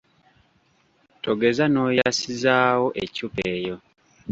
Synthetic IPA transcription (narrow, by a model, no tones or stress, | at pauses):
tʰo̞ɡe̞zano̞ːjasizaːwo̞ʔecupeːjo̞